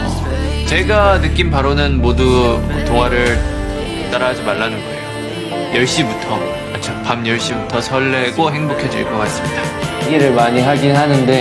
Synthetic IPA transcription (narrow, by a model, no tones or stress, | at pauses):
t͡ɕe̞ɡanɯk͈inpaɾonɯnmoduʌ̰toŋwaɾɯɭ | t͈aɾad͡ʑimaɭːanɯnɡʌe | jʌɭɕ͈ibutʰʌ | mat͡ɕʰopamjʌɭɕ͈ibutʰʌsʰʌɭːe̞ɡoɦe̞ŋbokʰed͡ʑḭɭk͈ʌk͈ats͈ɯmɲidaɡiɾɯɭmaɲiɦaɡinɦanɯnde̞